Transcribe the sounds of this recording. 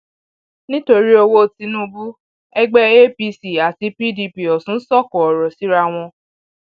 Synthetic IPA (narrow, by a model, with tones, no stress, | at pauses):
nĩ˦to˧ɾi˦o˧wo˦˧ti˧nũ˦bu˦ | ɛ˦ɡ͡bɛ˦e˦pi˧si˨a˨ti˧pi˦di˧pi˨ɔ˨sũ˨˦sɔ˦˨kɔ˨ɔ˨ɾɔ˨si˨˦ɾa˦˧w̃ɔ̃˧